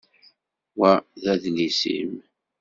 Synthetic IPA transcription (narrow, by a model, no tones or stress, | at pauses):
wæðæðlisḭm